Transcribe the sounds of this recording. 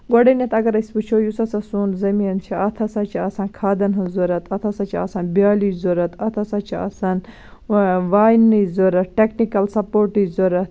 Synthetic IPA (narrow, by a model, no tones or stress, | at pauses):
ɡoɖɐnʲɐt̪ɐɡɐɾɐsʲpɨt͡ʃʰojusɐsɐsuːnzɐmiːnt͡ʃʰiʔɐt̪ʰɐsɐt͡ʃʰiɐsɐːnkʰaːd̪ɐnɦɐzuɾɐt̪ʰɐt̪ʰɐsɐt͡ʃʰiɐ̰sɐnbjaːlizoɾɐt̪ʰɐt̪ʰɐsɐt͡ʃʰiɐ̰sɐn | ʋaːjnizoɾɐt̪̚ʈeknikɐlsɐpoːɾʈizoɾɐt̪̚